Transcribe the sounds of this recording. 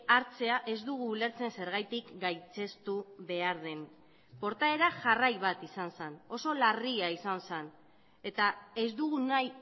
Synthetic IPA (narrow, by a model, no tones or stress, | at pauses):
aɾt͡se̞aʔe̞zd̪uɣ̞uːle̞ɾt͡se̞nse̞ɾɣ̞ajt̪ikɡajt͡se̞st̪uβe̞aɾð̞e̞n | po̞ɾt̪ae̞ɾaʝarajβ̞at̪isansano̞so̞lariaisansan | e̞t̪ae̞zd̪uɣunaj